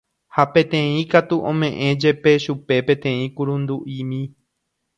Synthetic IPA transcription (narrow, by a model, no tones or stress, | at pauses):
hapẽ̞t̪ẽ̞ĩkat̪uʔõmẽ̞ʔẽ̞d͡ʒepe̞ʃupe̞pẽ̞t̪ẽ̞ĩkuɾũnd̪uʔĩmĩ